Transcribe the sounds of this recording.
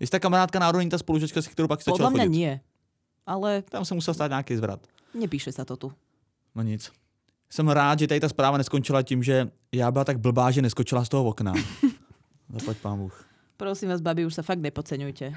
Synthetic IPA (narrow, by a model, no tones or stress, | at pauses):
jɪst̪aːkamaɾaːt̪kanaːɾodɲiːt̪aspoluʒat͡ʃkasɪ̥kt̪ɛɾowpaksizaɔdalaxmoɲaɪɲɪɛ | ʔalɛt̪amsɛmusɛlst̪aːt̪ɲaːkizvɾa̰t̪ | ɲɛpiːʃɛsat̪ɔt̪u | noɲɪt͡s | sɛmɾaːd̪ʒɛt̪adɪt̪aspɾaːvanɛskont͡ʃɪlacimʒɛ | jaːbɪlat̪aɡ̚bl̩baːʒɛnɛskot͡ʃɪlas̬t̪oɦovokna̰ | zaplacpaːnbuːx | pɾɔsiːmvaːzbabiuʃsafaɡ̚d̪nɲɛpot͡sɛɲujcɛ